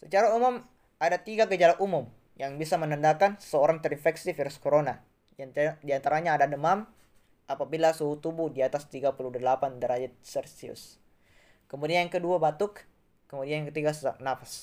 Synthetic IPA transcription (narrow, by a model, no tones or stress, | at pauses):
sət͡ʃaɾaumʊm | adat̪iɡaɡəd͡ʒalaʔumʊm | jaŋbisamənəndakanə̥səoɾaŋt̪ɛɾinfɛksifiɾuskoɾona | diant̪aɾaɲaːdadəmam | ʔapabilasuɦut̪ubuhdiat̪ast̪iɡapuludəlapandəɾad͡ʒɛt̪̚sɛrsiʊ̰s | kəmudiajaŋkəduabat̪ʊkː | əmudianjaŋkət̪iɡasanafḁs